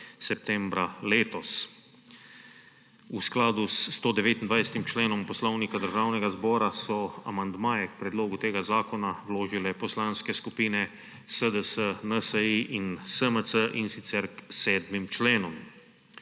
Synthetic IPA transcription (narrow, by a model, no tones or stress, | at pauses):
sɛp̚t̪ɛmbɾaleːt̪ɔs | usklaːd̪ust̪oːd̪ɛʋeːt̪ind̪ʋajsɛ̥t̪imt͡ʃleːnɔmpɔslɔwnikad̪əɾʒaːwnɛɡazbɔːɾasɔa̰mand̪maːjɛkpɾɛd̪loːɡut̪eːɡazaːkɔnawloːʒilɛpɔslaːnskɛskupiːnɛ | səd̪əsənəsəiʔinsəməsəʔinsit̪sɛɾksɛːd̪mimt͡ʃleːnɔm